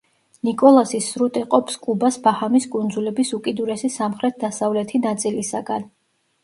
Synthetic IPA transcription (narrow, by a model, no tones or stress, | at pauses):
nikʼɔlˠasisɾut̪ʼiqʼɔpskʼubasbahamiskʼund̪zulɛbisukʼid̪uɾɛsisamχɾɛt̪̚ʰd̪asavlɛt̪ʰinat̪sʼilisaɡan